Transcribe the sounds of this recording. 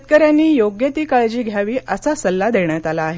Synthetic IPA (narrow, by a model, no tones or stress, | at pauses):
t̪̚kəɾjanːiːjoɡjət̪iːkaɭd͡ʑiːɡʱjaʋiːʔəsasəlːad̪eɳjat̪alaːɦe